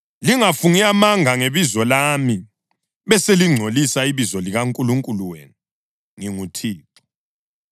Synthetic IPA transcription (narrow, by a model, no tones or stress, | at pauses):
liŋafuŋiamaŋʱaŋeβizɔlami | βɛseliŋ͡ǀʱolisaiβizɔliɣaŋkʼuluŋkʼuluwḛːnu | ŋiŋutʰiːpʰu̥